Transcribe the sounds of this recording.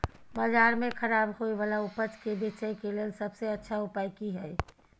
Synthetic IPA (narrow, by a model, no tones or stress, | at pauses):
bazaːɾmẽkʰəɾaːbɦoiʋaːlaʊpət͡ʃkebet͡ʃəjkeleːlsəbseɐtːʃʰaʊpaːikiɦɛː